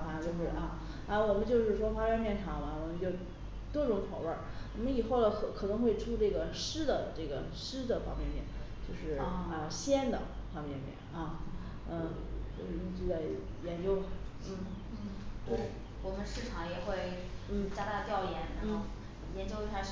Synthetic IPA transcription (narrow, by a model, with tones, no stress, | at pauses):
a˥˧t͡ɕjo˥˧ʊʂɻ̩˥˩ʔɐ˧˩ | a˥˧wɔ˨˩mə˦nt͡ɕjo˥˧ʊʂɻ̩˥˩ʂwɔ˥xwa˥jɛ˥˧npjɛ˥˩nʈ͡ʂʰɑ˨˧˥ŋɐ˧wɔ˨˩mə˦nt͡ɕjo˥˩ʊ | t̪wɔ˥ʈ͡ʂʊ˧˥ŋt͡sʰɑ˨˧˥ʊwə˞˥˩ | wɔ˨˩mə˦ni˨˩xo˥˩ʊlə˧˩kʰɤ˧˥kʰɤ˨˩nɤ˧˥ŋxwe˥˧ɪʈ͡ʂʰu˥ʈ͡ʂɤ˥˩ɡə˩ʂɻ̩˥d̪ə˨ʈ͡ʂɤ˥˩ɡə˩ʂɻ̩˥d̪ə˨fɑ̰˥ŋpjɛ˥˧nmpjɛ̰˥˧˩nt͡ɕjo˥˧ʊʂɻ̩˥˩a˧˥jo˨˩ʊɕjɛ˥nd̪ə̰˨fɑ˥ŋpjɛ˥˧nmjɛ̰˥˩nɐ˧˩ | ə˥˧ | t͡ɕjo˥˧ʊʂɻ̩˥˩ʊ˥˧t͡ɕy˥˧la˧˩ɪ | jɛ˧˥nt͡ɕjo˥ʊ˩n̩˥˩ | t̪we˥˩ɪ | wɔ˨˩mə˦nʂɻ̩˥˩ʈ͡ʂʰɑ˧˥ŋjɛ˨˩xwe˥˩ɪn̩˥˩t͡ɕja˥t̪a˥˧t̪jɑ˥˩ʊjɛ˧˥nɻa˧˥nxo˥˧ʊ | jɛ˧˥nt͡ɕjo˥ʊ˥˧˩a˧˥